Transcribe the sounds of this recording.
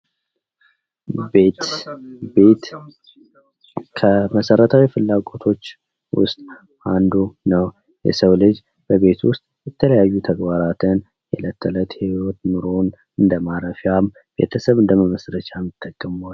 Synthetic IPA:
be̞t̪be̞t̪ | kʰəməsəɾət̪ʰawifɨlːaɡʼo̞t̪ʰo̞t͡ʃː | wʊ̰st̪ʼ | and̪unəw | jɛ̰səwlɨd͡ʒ | b̥əβe̞t̪wʊst̪ʼjɛt̪ʰələjajːut̪ʰəɡbaɾat̪ʰɨn | jɛlət̪ʰːələt̪hewwot̪nɨɾo̞n | ɨnd̪əmaɾəfjam | b̥e̞̰t̪ʰəsəβɨnd̪əməməsɾət͡ʃʰamɨt̪ʰʼːəkʼːəmol

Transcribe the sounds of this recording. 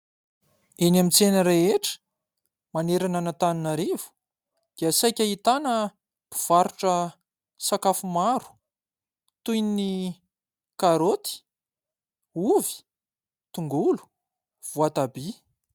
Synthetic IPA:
enamint͡senəɾeeʈ͡ʂə̥ | maneɾananat̪aninaɾevu̥ | d̪̥iasajkʲaɦit̪anə | b̥iv̥aɾuʈ͡ʂə | sakafumaɾu̥ | t̪ujnini | kaɾot̪i̥ | uvi̥ | t̪uŋɡulu̥ | v̥uat̪abi

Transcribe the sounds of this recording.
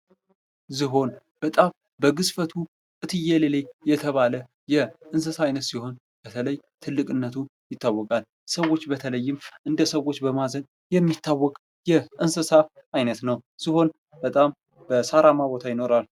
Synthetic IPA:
zɨɦo̞n | b̥ət̪ʼam | bəɡɨsfət̪ʰu | kʼɨt̪ʰɨjelelejɛt̪ʰəβalə | jɛʔɨnsɨsaajnət̪siɦo̞n | b̥ət̪ʰələjt̪ʰɨlːɨkʼɨnːət̪ʰujɪt̪ʰːawːɔkʼal | səwo̞t͡ʃːbət̪ʰələjːɪmʔɨnd̪əsəwo̞t͡ʃːbəmazən | jɛmːit̪ːawːɔkʼ | jɛʔɨnsɨsaʔːjnət̪nəwz̥ɨho̞n | b̥ət̪ʼam | bəsaɾamaβo̞t̪ʰajɪno̞ɾal

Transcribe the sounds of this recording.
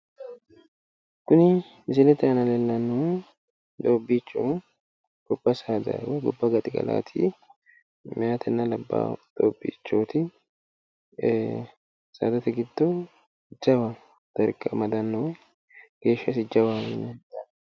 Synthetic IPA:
kʊnɪ | mɪs̬ɪlɛt̪ɛɐnɐlɛlːɐnːɔwɛ | d̪oːbːiːt͡ʃːo | ɡ̥ɔbːɐsaːd̪ɐ̰wɛɡɔbːɐɡɐt̪ʼɪɡʼɐ̰la̰ːt̪ʰḭ | mɪat̪ʰɛnːɐlɐbːa̰d̪̥o̰ːbːḭːt͡ʃːoːt̪ɪ | sa̰ːd̪ɐt̪ɛɡɪd̪ːo | d͡ʒɐβɐ | d̪̥ɐɾkʼɐmɐd̪ɐnːɔwɛ | ɡ̥e̞ːʃːɐsɪd͡ʒɐbamɛnːɛ

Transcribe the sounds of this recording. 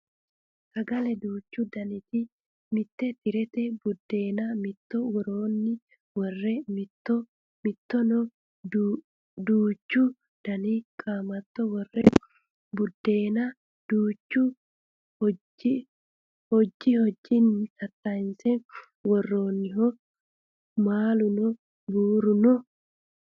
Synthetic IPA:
sɐɡɐlɛd̪uːt͡ʃːud̪ɐnɪt̪ɪ | mɪt̪ːɛt̪ɪɾɛt̪ɛbʊd̪ːeːnɐmɪt̪ːɔwɔɾoːnːɪ | wɔrːɛmɪt̪ːɔ | mɪt̪ːɔnɔ | d | d̪uːt͡ʃːu | d̪̥ɐnɪkʼaːmɐt̪ːɔwɔrːɛ | bʊd̪ːeːna | d̪̥uːt͡ʃːu | hɔ | hɔd͡ʒːihɔd͡ʒːɪnːsɐt̪ːaɪnsɛ | wɔrːoːnːɪɦɔ | maːlʊnɔ | buːɾʊnɔ

